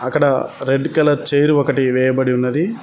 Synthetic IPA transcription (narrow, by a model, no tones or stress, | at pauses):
ɐkːɐɽɐɾeɖkɐlɐɾt͡ʃeːɾiɔkɐʈiʋɛːjɐbɐɽiunːɐd̪i